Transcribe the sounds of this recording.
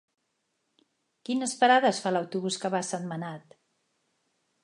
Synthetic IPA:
kinəspəɾaðəsfaləwt̪uβuskəβasənmənat̪

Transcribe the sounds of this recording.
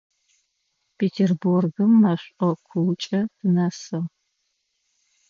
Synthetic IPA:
pʰeːtʰerburɡɨmːɐɕʷʼɔkʷʰuwt͡ʃʼɐtʰɨnɐsɨʁ

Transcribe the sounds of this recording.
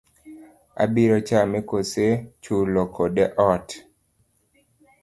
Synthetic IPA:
a̰biɾɔt͡ʃamɛkoset͡ʃulokʰodeʔɔt

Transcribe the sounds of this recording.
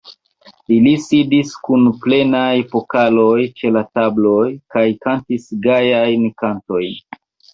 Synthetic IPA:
ilisidiskunple̞najfo̞kalo̞jt͡ʃe̞latablo̞jkajkantisɡajajnkanto̞jn

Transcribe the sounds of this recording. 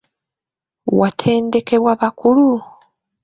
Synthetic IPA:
watʰe̞ːnde̞ke̞βwaβakulu

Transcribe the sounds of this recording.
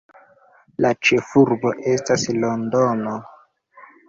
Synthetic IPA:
lat͡ʃe̞fuɾbo̞ʔe̞staslondono

